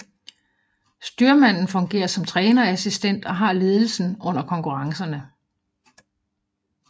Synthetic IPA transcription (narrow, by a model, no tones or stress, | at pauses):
sd̥yːɐmæn̰n̩fɔ̽ŋɡ̥e̝̰ːɐsɒ̽mt͡sʰʁɛːnɐæsisd̥en̰d̥ɒ̽ɦɑ̈ːle̝ːð̞ˠl̩sn̩ʔɔ̽n̰ɐkʰɒ̽ŋkʰuʁɑ̈ŋsɐnə